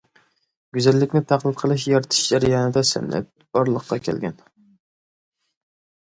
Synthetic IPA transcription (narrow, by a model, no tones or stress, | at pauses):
ɡ̥ʲyzælːɪkʲnɪt̪ʰæqlˠɨt̪qʰəlˠɨʃ̬jɑɾt̪ʰɨ̥ʃd͡ʒæɾjɑnɨd̪ɛsɪ̰mnɪ̰t̪̚ | b̥ɒɾlˠəqːɑkʲʰɛ̰lɡʲɛn